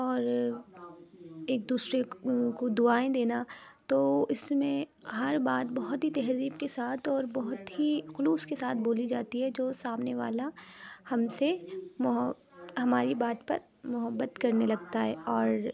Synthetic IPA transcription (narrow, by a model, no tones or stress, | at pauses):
ɔːɾ | eːk̚d̪uːsɾekod̪ʊaːẽd̪eːnat̪oɪsmẽɦɐɾbaːt̪̚bɐɦʊt̪ɦit̪ɛɦziːbkesaːt̪ʰɔːɾbɐɦʊt̪ɦixʊluːskesaːt̪ʰboːlid͡ʒaːt̪iɦɛd͡ʒoːsaːmneʋa̰ːlahɐmsemʊɦ | ɦɐmaːɾibaːt̪pɐ̰ɾ | mʊɦəbːət̪kɐɾnelɐɡt̪aɦɛɔːɾ